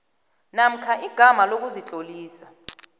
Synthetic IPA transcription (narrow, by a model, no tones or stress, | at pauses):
nam̩kʰaʔiɡ̥ʱamalok̬uzit͡ɬʼoliːsḁ